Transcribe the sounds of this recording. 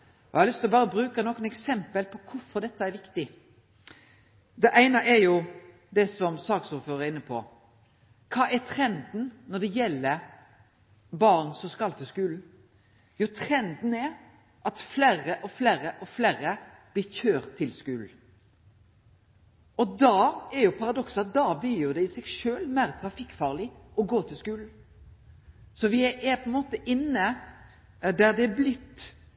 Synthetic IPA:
ɔjɪhɑlʏst̪ɪlɔbɑːɾəbɾʉːkənɔkːənɛksɛmpəlpʰɔkʰʊfɔɾd̪ɛt̪ːəɛɾʋɪkt̪ɪ | d̪ɛʔæɪnəʔɛɾjʊ | d̪ɛsɔmsɑːksuːɾføːɾəɪnːəpʰɔ̰ | kʰɑːʔɛt̪ʰɾɛnd̪nnɔd̪ɛjɛlːə | bɑʁnsɔmskɑlt̪ʰɪskʉːln̩ | jut̪ʰɾɛnd̪n̩ɛɾ | ʔɑt̪flæːɾəʔɔflæːɾəʔɔflæːɾəb̥lɪçøːɾt̪ʰːɪlskʉːln̩ | ɔd̪ɑːɛɾjʊpʰɑɾɑd̪ɔksɑt̪̚d̪ɑb̪iːjʊd̪ɛɪsɛɡʂøːlmæɾt̪ʰɾɑfɪkːfɑːʁlɪɔɡoːt̪ʰɪlskʉːln̩ | sɔʋɪɛpʰɔɛnmoːt̪əʔɪnːə | d̪æd̪ɛːblɪt̪ː

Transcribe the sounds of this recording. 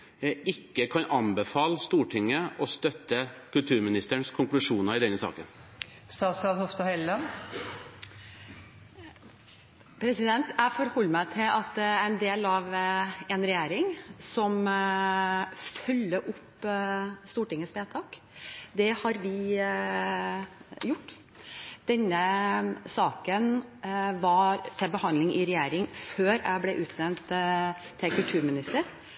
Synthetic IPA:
ɪkːəkʰɑnʔɑnbəfɑːləst̪uːʈʰɪŋːəʔɔst̪œt̪ːəkʰʉlt̪ʰʉːɾmɪnɪst̪əɳskʰʊŋklʉʂuːnəɾɪd̪ɛnːəsɑ̰ːkən | st̪ɑːt̪sɑlhɔft̪ɑhɛlːɑn | pʰɾɛsɪd̪ɛnt̪æfɔɾhɔlːmæɪt̪ʰɪlɑt̪æɪnd̪eːlɑʋɛnɾɛjæːɾɪŋsɔm | fʉlːəʔʊpː | st̪uːʈɪŋːəsʋeːt̪ʰɑːk | d̪ɛhɑɾʋɪ | jʊʈː | d̪̥ɛnːəsɑːkənʋɑɾt̪ʰɪlbəhɑnd̪lɪŋʔɪɾɛjeːɾɪŋføːɾæ̰ɪblɛʔʉːt̪ʰnɛʋnt̪ʰː | ɪlkʰʉlt̪ʰʉːɾmɪnɪst̪əɾ

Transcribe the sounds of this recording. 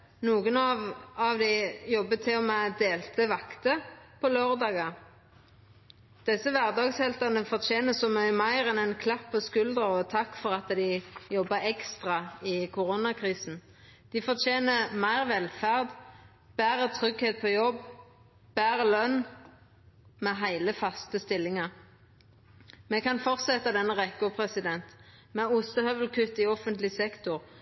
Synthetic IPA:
nuːɡənɑʋɑʋd̪ɪjɔbːət̪ʰɪlɔmɛd̪eːlt̪ʰəʋɑkt̪əpʰɔløːʁd̪ɑːɡɑ | d̪̥ɛsəʋæʁd̪ɑːɡshɛlt̪ɑnəfɔʁt̪ʰeːnəsɔmœʏmæɪʁɛnɛnkʰlɑpːɔskʉld̪əɔt̪ʰɑkːfɔʁɑt̪d̪ɪjɔbːəɛkst̪ʁɑɪkʰʊʁonɑkʰʁiːsn̩ | d̪̥ɪfɔt̪ʰeːnəmæɪʁʋɛlfæʁd̪ | b̥æːʁət̪ʰʁʏɡheːt̪̚pʰoːjɔbː | b̥æːʁəlœn | mɛɦæɪləfɑst̪əst̪ɪlːɪŋɑʁ | mɛkɑnfɔʁt̪sɛt̪ːɑd̪ɛnːəʁɛkːʊpʰʁɛsɪd̪ɛnt̪ | mɛʊst̪əhœʋəlkʰʉt̪ːɪɔfənt̪lɪsɛkt̪ʊʁ

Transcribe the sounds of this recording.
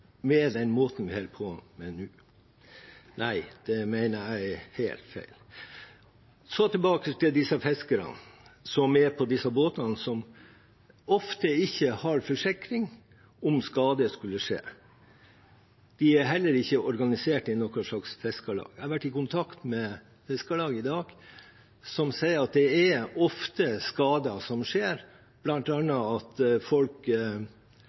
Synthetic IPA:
mɛd̪ɛnmoːt̪n̩ʋɪhɛlpʰɔmɛnʉː | næɪd̪̥ɛmæɪnəæɪhæɪlt̪fæ̰ɪl | sɔt̪ʰɪɛlbɑːkət̪ɪld̪ɪsɑfɛskəɾɑ̰nsɔmɛpʰɔd̪ɪsɑboːt̪ɑnsɔm | ɔft̪əɪçːəhɑɾfɔʂɪkɾɪŋ | ɔmskɑːd̪əskʉlːəʂḛː | d̪̥ɪæɾɦɛlːəɾɪçːəʔɔɾɡɑnɪseːʈɪnɔkːɔʂɭɑksfɛskɑlɑ̰ːɡæɑʋæʈːɪkʊnt̪ʰɑkt̪mɛ | fɛskɑlɑːɡəɪd̪ɑːɡ̥ | sɔmsæɪəɾɑt̪̚d̪ɛæɔft̪əskɑːd̪ɑsɔmʂeːɾ | b̥lɑnt̪ɑnːɑɑt̪fɔlk

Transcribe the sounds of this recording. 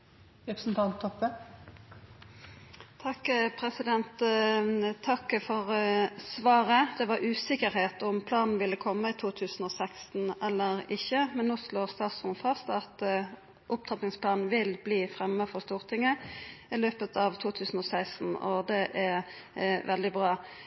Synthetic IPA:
ɾɛpɾsnt̪ʰɑnt̪ʰːɔpːə | t̪ʰɑkːpʰʁɛsɪd̪ɛnt̪ | t̪ʰːɑkːfɔʁsʋɑːʁəd̪̥ɛʋɑɾʔʉːsɪkəɾheːt̪ɔʊmpʰlɑːnn̩ʋɪlːəkʰɔmːəɪt̪ʰuːt̪ʰʉːsn̩oːsɛkst̪n̩ɛlːəʁɪçːəmɛnːoːsloːʁst̪ɑːt̪sʁʊmfɑst̪ɑt̪ | ʔʊp̚t̪ʰʁɑp̪nɪŋspʰlɑːnn̩ʋɪlbliːfʁɛmːəfɔʁst̪uːʁt̪ʰɪŋːəɪløːpət̪ʰɑʋt̪ʰuːt̪ʰʉːsn̩ɔːsæɪst̪n̩ɔ̰d̪ɛʔɛɾ | ʋɛld̪ɪbʁɑː

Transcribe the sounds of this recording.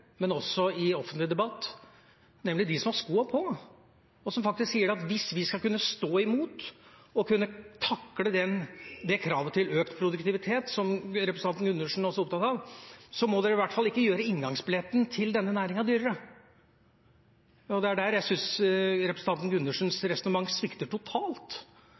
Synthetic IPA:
mɛnɔsɔɪɔfənt̪lɪd̪ɛbɑt̪ː | nɛmːlɪd̪ɪsɔmhɑʂskuːɑpʰɔ | ɔsɔmfɑkt̪ɪsksiːəɖɛɑt̪ʋɪsʋɪskɑlkʉnːəst̪oːɪmuːt̪ɔkʉnːət̪ʰɑkːləd̪ɛnd̪ɛkʰɾɑːʋət̪ʰɪløːkt̪pʰɾʊd̪ʉkt̪ɪʋɪt̪ʰeːt̪sɔmɾɛpɾəsnʰɑnn̩ɡʉnːəʂn̩æɾɔsɔʊp̚t̪ʰɑt̪hɑʋsɔmɔd̪ɛɾɪʋæʈːfɑlːɪkːəjøːɾəɪŋɡɑŋsbɪlɛt̪ːnt̪ʰɪld̪ɛnːənæːɾɪŋɑʋd̪yːɾəɾə | ɔd̪ɛæɖæɾjæɪsʏnsɾɛpɾsn̩t̪ɑnt̪n̩ɡʉnːʉʂn̩sɾɛsɔnəmɑŋːsʋɪkt̪əʈʰʊt̪ʰɑːlt̪

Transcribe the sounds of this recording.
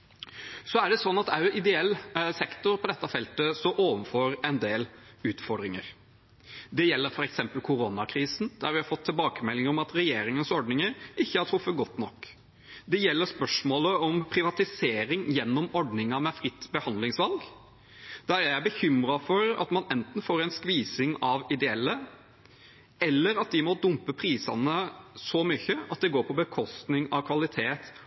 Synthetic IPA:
sɔæɖɛsɔnːɑt̪æʔɪd̪ɛɛlːsɛkt̪ʊɾpʰɔd̪ɛt̪ːɑfɛlt̪əsɔʔoːʋənfoːɾɛnd̪eːlʉːt̪fɔɖɾɪŋə̰ɾ | d̪ɛjɛlːəɾfɔɾɛksɛmpəlkʰʊɾoːnɑkʰɾiːsn̩d̪æɾʋɪhɑfɔt̪ʰːɪlbɑːkəmɛlːɪŋəɾɔmɑt̪ɾɛjeːɾɪŋənsɔɖnɪŋəɾɪçːəhɑɾʈʰɾʊfːəɡɔt̪ːnɔkː | d̪ɛjɛlːəɾspœʂmoːləɔmpʰɾɪʋɑt̪ɪseːɾɪŋjɛnːɔmɔɖnɪŋɑmɛfɾɪt̪ːbəhɑnd̪lɪŋsʋɑlɡ | d̪̥æɾææɪbəçʏmɾɑfɔɾɑ̰t̪mɑnɛnt̪n̩foːɾɛɪnskʋiːsɪŋɑʋɪd̪ɛɛlːə | ɛlːəɾɑt̪̚d̪ɪmɔd̪ʊmpəpʰɾiːsɑ̰nəsɔmʏçːəɑ̰t̪̚d̪ɛɡoːɾpʰɔbəkʰɔst̪nɪŋɑʋkʰʋɑlɪt̪ʰeːt̪

